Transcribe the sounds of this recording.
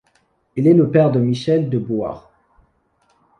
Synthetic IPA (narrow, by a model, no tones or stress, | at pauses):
ilɛləpɛʁd̪əmiʃɛld̪əbwa̰ʁ